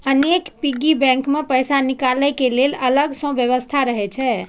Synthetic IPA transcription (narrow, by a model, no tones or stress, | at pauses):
ənekpiɡibɛ̃ŋkmepəjsanikaləjkelelələɡsə̃bjəβəst̪ʰaɾəɦɛt͡ʃʰɛ